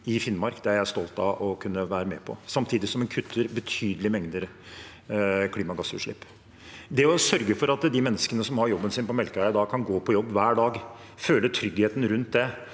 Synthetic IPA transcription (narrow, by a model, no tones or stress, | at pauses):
ɪfɪnmɑɾkd̪ɛæɾjæɪst̪ɔlt̪ɑ̰ʔɔkʰʉnːəʋæːɾəmɛːpʰɔ̰sɑmt̪ʰiːd̪ɪsɔmɛnkʰʉt̪ʰːəɾbət̪ʰyːd̪əlɪmɛŋd̪əɾ | kʰliːmɑɡɑsːʉ̰ːʂɭɪpː | d̪ɛɔsœɾɡəfɔɾɑt̪d̪ɪmɛnːəskənəsɔmhɑɾjɔbːənsɪːnpɔmɛlkəæɪəd̪ɑːkʰɑnɡoːpʰɔjɔbːʋæːɖɑːɡ | føːlət̪ʰɾʏɡheːt̪n̩ɾʉnt̪̚d̪ɛ